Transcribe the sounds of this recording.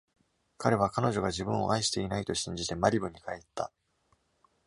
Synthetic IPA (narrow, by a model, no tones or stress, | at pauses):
kaɾe̞β̞akano̞ʑo̞ɡad͡ʑibɯ̟̃ɰ̃o̞̰ʔaiɕi̥t̪e̞inait̪o̞ɕĩɲ̟d͡ʑit̪e̞maɾʲibɯ̟ɲ̟ikae̞t̪ːa̰